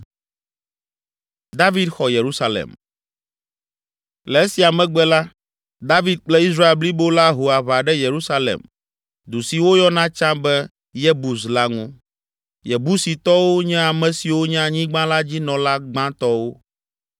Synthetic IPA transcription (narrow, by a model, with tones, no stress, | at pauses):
d̪a˦vi˦d̪xɔ˨je˨ɾu˦sa˦lḛ˨m | lɛ˨e˦si˨a˨mɛ̃˨ɡ͡bɛ˦la˦ | d̪a˦vi˦d̪̚k͡plɛ˦i˦sɾa˦e˨lbli˦bo˦la˦ɦo˨a˨βa˨ɖɛ˦je˨ɾu˦sa˦lḛ˨m | d̪u˨si˨wo˦jɔ˦nã˦t͡ʃã˦bɛ˦ | jɛ˦bu˨s̬la˦ŋũ˦ | jɛ˨bu˦si˨t̪ɔ˦wo˦ɲɛ̃˦a˨mɛ̃˨si˨wo˦ɲã˦ɲĩ˦ɡ͡bã˦la˦d͡ʑi˦nɔ̃˨la˦ɡ͡bã˦t̪ɔ˦wo˦